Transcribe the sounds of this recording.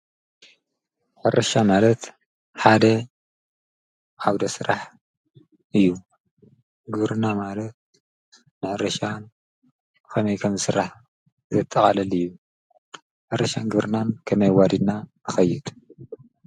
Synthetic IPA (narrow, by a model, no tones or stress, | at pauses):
ħɨɾʔɐʃamalɐt̪ | ħad̪ɐ | ʔawd̪ɐsɨɾʔaħ | ʔɨjːu | ɡɨβɾɨnamalɐt̪̚ | nɨʕɨɾɐʃan | kɐmɐjkʰɐmzɨsɨɾaħ | zɐt̪ʼːɐkʼalɐlɨjːu | ħɨrɐʃanɡɨβɾɨnankʰɐmɐjwad̪id̪na | ɨxɐjːɪd̪